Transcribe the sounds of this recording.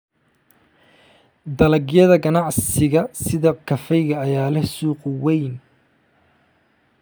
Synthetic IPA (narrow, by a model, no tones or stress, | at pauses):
d̪ɐlɐɡjɐðɐɡɐnɑʕsɪɣɐsɪðɐkʰɐfɛjɣɐːjaːlɛsuːqwɛjn